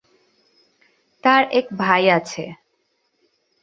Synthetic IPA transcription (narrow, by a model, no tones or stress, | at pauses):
t̪aɾɛkbʱajat͡ɕʰe